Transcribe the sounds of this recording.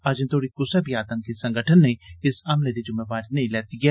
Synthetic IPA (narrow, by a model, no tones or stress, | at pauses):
ad͡ʒẽnt̪ʰoːɽikʊsɛbiaːt̪əmkisɐ̃ŋɡəʈʰənːẽɪsɐmled̪id͡ʒʊmːebaːɾinɐĩlɛːt̪iɡɛː